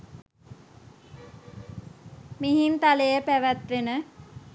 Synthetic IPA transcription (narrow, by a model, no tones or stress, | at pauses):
miɦint̪alejəpæʋæt̪ʋenə